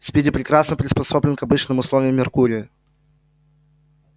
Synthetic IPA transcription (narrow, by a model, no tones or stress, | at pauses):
sʲpʲidʲɪpɾʲɪkɾasnəpɾʲɪspɐso̞blʲɪnkɐbɨt͡ɕnɨmʊslˠovʲɪjəmːʲɪrkuɾʲɪjə